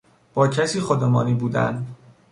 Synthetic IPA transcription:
b̥ɒːcʰæsiːxod̪emɒːniːbuːd̪æ̰n

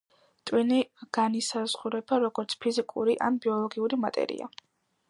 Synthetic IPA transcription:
t̪ʼwiniɡ̥anisaz̥ʁuɾɛbaɾɔɡɔɾt̪sʰpʰizikʼuɾiʔa̰nbiɔlˠɔɡiuɾimat̪ʼɛ̰ɾḭa̰

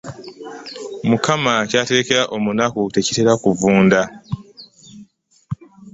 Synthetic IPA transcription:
mukamacaːte̞ɾe̞ke̞ɾaʔo̞munakute̞cite̞ɾakuvuːnda

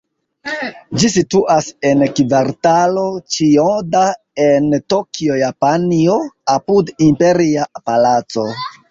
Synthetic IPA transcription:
d͡ʒisituʔase̞nkveɾtalo̞t͡ʃioda | e̞ntokiojapanio̞apudimpe̞ɾiapalat͡so̞

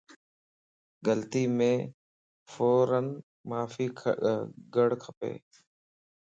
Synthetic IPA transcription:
ɡəlt̪iːmẽː | foːɾən | maːfiː | ɡəɽ̤kʰəpḛː

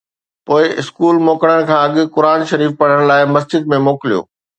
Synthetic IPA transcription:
poːɪʔɪskuːlmoːkɽəɽ̃̆kʰãːɐɠʊ̆kʊɾaːnʃɐɾiːfpɐɽ̤əɽ̃laːɪmɐs̬d͡ʑɪd̪mẽmoːkɪlijo̰ː

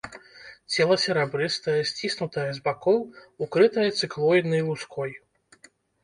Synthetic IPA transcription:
t͡sʲɛlˠɐsʲɛɾabɾɨst̪ɐjɐsʲt͡sʲisnut̪ɐjɐzbakɔwukɾɨt̪ɐjɐt̪sɨklˠɔjd̪nɨjlˠuskɔj

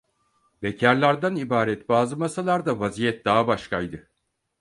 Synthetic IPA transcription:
becʰæɾlʲˠaɾd̪anibaːɾɛt̪baːzɯmasalˠaɾd̪avazijɛt̪̚d̪aːabaʃkajd̪ɯ

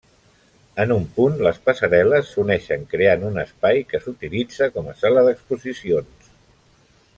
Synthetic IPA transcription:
ənumpunləspəsəɾɛləsːunɛʃəŋkɾeanunəspajkəsut̪ilid͡zəkɔməsaləðəkspuzisions

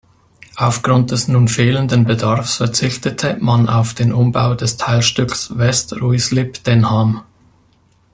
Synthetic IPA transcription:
ʔaʊfɡ̥ʁʊnt̚d̥ɛsnuːnfeːləndənbədaɐfsfɛɐt͡sɪçtətʰəmana̰ʊfd̥eːnʔʊmbaʊdɛstʰaɪlʃtʏksvɛstʁuɪslɪpd̥ɛnham

